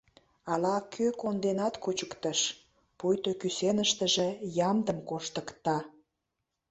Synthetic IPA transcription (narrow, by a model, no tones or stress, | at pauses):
ɑlɑkʰøkond̪enɑt̪kut͡ɕəkt̪əʃ | pujt̪okysenəʃt̪əʒejɑmd̪əmkoʃt̪əkt̪ɑ